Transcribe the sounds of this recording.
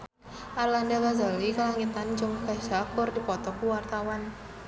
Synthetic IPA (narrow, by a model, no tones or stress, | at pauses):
ʔarlandaɡazalikəlaŋit̪and͡ʒɔŋkaʃakʊrdipɔt̪ɔkuwart̪awan